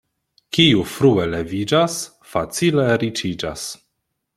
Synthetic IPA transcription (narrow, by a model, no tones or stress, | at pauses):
kiufɾuele̞vid͡ʒas | fat͡sileɾit͡ʃid͡ʒa̰s